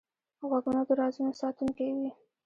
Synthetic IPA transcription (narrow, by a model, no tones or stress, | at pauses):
ɣwaɡunad̪əɾɑzunosɑt̪uŋkewi